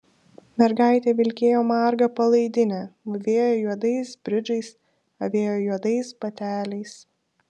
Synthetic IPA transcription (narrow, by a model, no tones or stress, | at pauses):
mʲɛɾɡɑˑɪt̪ʲeːʋʲɪlʲkʲeːjoːmɑˑɾɡɐpɐlˠɐɪd̪ʲɪnʲɛːɐʋʲeːjoːjuɔd̪ɐɪsbʲɾʲɪd͡ʒɐɪs | ɐʋʲeːjoːjuɔd̪ɐɪsbɐt̪ʲæːlʲɛɪs